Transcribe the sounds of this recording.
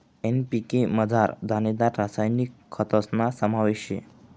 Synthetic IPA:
enpikeməd͡zʱaɾd̪ʱaned̪aɾːasajnikʰːət̪əsnasəmaʋeɕḛ

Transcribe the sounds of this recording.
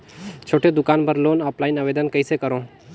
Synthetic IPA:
t͡ʃʰoːʈʰed̪ʊkaːnbʱəɾloːnəplaːinəʋeːd̪ənkəisekəɾõː

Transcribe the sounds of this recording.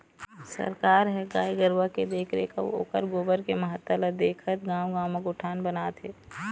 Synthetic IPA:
sə̰ɾkaːɾɦɛɡa̰ːiɡəɾwaked̪eːkʰɾeka̰o̰ʊ̰kəɾɡoːbəɾkemɐɦət̪ːəlad̪eːkʰət̪ɡãːwɡãːwmeɡʊʈʰaːnbənaːt̪ɦɛː

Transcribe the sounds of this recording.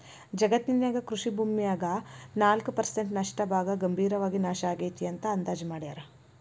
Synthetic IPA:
d͡ʒɐɡɐt̪ninjaːɡɐkɾuʂibʱuːmːijaːɡɐnaːlkupɐɾseɳʈnɐʂʈɐbʱaːɡɐɡɐmbʱiːɾɐʋaːɡinaːʃɐaːɡejt̪ijɐnt̪ɐɐnd̪aːd͡ʒmaːɽijaːɾɐ

